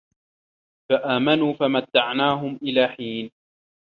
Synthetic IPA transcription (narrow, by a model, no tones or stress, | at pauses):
faʔaːmanuːfamat̪ːaʕnaːɦʊmʔɪlaːħiːn